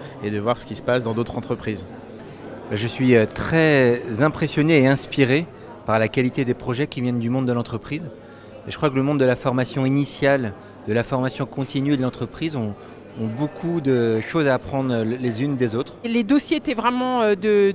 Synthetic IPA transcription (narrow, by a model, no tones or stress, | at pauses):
ed̪əvwaʁsə̥kʲisə̥pasd̪ɑ̃d̪ot̪χɑ̃t̪χəpχiːz | bɛʒəsɥiøt̪χɛzɛ̃pχesjɔneːɛ̃spiʁe | paʁlakalit̪ed̪epχɔʒɛkʲivjɛnd̪ymɔ̃d̪d̪əlɑ̃t̪χəpχiz | eʒəkχwakələmɔ̃d̪d̪əlafɔʁmasjɔ̃inisjal | d̪əlafɔʁmasjɔ̃kɔ̃t̪inɥd̪əlɑ̃t̪χəpχizɔ̃ː | bokʰud̪əʃozaːpχɑ̃d̪ʁlezynd̪ezot̪χled̪ɔsjeet̪ɛvʁɛmɑ̃ød̪ə